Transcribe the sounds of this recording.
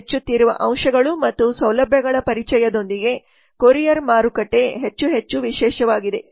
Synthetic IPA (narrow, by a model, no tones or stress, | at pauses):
et͡ʃːut̪ːiɾuʋɐ̰ʔɐwʃɐɡɐɭumɐt̪ːusɐwlɐbʱjɐɡɐɭɐpɐɾit͡ʃɛjɐd̪o̞nd̪iɡe̞ | koɾijɐɾmaːɾukɐʈːe̞ɦet͡ʃːuɦe̞t͡ʃːuʋiʃɛːʃɐʋaːɡid̪e̞